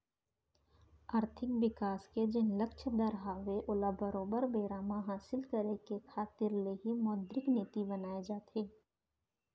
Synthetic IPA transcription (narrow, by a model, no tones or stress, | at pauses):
aːɾt̪ʰɪkʋɪkaːsked͡ʒɪnləkt͡ʃʰd̪əɾɦaːʋeʔʊlabəɾoːbəɾbeːɾaːmãɦaːsɪlkəɾekekʰaːt̪ɪɾleɦimɔːd̪ɾɪkniːt̪ibənaːed͡ʒaːt̪eː